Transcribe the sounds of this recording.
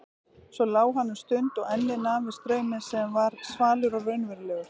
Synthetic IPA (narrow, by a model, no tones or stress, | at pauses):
svɔlaːwɦanːʏmst̪ʏnt̪ɔɣɛnːɪðnaːvɪst̪ɾœːɥmɪðsɛmvaɾ̥svaːlʏɾɔɣrœɥnvɛɾlɛːɣʏɾ̥